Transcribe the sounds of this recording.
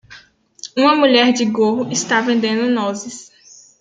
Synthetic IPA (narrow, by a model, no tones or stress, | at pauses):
ũmɐmuʎɛɾd͡ʒɪɡoɦʊɪst̪avẽnd̪ẽnd̪ʊnɔzɪs